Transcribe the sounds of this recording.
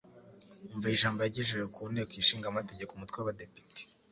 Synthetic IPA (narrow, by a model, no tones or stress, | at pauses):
uɱvaiʒaːmbajaɟeʒeʒekunekwiʃiːŋɡamate̞ɟekumutwewawadepi̥te̥